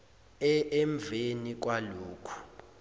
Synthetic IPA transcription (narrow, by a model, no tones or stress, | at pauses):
ɛɛɱbvʱenik̬waluːkʰu̥